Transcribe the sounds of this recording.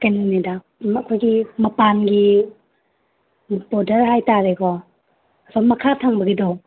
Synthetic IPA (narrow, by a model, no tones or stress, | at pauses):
kajninida | mɐkʰɔjɡimɐpanɡi | bɔdəɾɦajtaɾekɔ | asʰɔmɐkʰatʰaŋbɐɡidɔ